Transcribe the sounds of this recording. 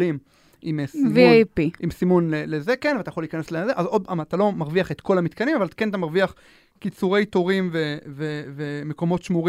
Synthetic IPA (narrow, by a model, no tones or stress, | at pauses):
lim | imsmviajpiʔimsimunlelezekenveat̪ajaχoliːkaneslezeʔazod̪̚aat̪alo̞maʁviaχet̪ko̞lamit̪kanimavaltkenat̪amaʁviaχ | kit͡suʁe̞jt̪oʁimvevevemeko̞mo̞t̪ʃmuʁi